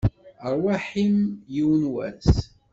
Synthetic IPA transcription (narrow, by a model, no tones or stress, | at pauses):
əɾˤwaħimjiwnwæ̰s